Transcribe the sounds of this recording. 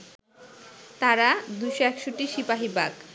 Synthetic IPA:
t̪aɾad̪ujʃoɛkʃoʈiʃipaɦibak

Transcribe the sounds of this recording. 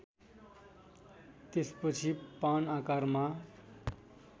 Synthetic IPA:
t̪espʌt͡sʰipanakarma

